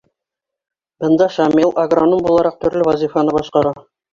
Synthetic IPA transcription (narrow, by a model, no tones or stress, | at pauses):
bɤ̆nd̪ɑʃamʲelˠʔɐɡranombulˠɑɾɑq̚t̪ɵ̆ɾlɘvɐzʲifanɤbɒʃqɑɾɑ